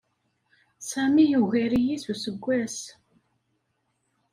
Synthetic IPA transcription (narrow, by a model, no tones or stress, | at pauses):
sæmijuɣæɾijisusəɡʷːæs